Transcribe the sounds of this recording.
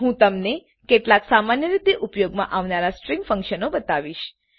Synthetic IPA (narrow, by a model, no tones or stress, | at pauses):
ɦũt̪əmne | keʈlaksamanjəɾit̪eʔupjoɡmã̰ʔaʋnaɾasʈɾĩŋɡfə̃ŋkʃənobət̪aʋiʃ